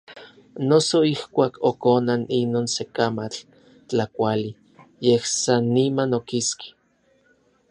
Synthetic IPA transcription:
nosoihkʷaːkʰokonaninoːnsekamat͡ɬ | t͡ɬakʷali | jehsanːimanokiski̥

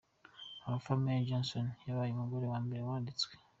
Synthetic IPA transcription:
amafamead͡ʒonsonjaβajimuɡoɾewaːmbeɾewaːndit͡swe

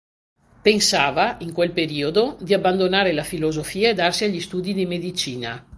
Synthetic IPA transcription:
pensaːvaiŋkwelpeɾiːod̪od̪iabːand̪onaːɾelafilozofiːaed̪arsiaʎːist̪uːd̪id̪imed̪it͡ʃiːna

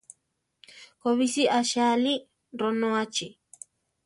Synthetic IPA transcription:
koβisiʔaʃali | ɾonõat͡ʃi

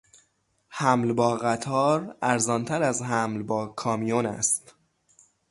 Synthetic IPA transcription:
hæmlbɒːɣæt̪ʰɒːɾæɾzɒːnt̪ʰæɾæzɦæmlbɒːkʰɒːmijonæ̰st̪

